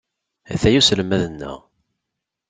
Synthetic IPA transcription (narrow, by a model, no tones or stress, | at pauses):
æ̰θæjusləmæðənːə̰ʁ